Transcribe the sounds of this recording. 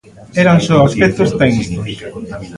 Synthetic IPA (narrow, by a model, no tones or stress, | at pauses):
eɾansɔaspekt̪ost̪ɛɣnikos